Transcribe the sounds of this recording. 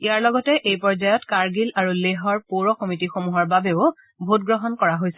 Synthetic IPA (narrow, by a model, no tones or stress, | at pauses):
ijaɹlɔɡɔtɛʔejpɔɹzajɔtkaɹɡilaɹuleɦɔɹpoɹɔkɔmitixomuɦɔɹbabeʊ | bʱot̚ɡɹɔɦɔnkɔɹaɦojsɛ̥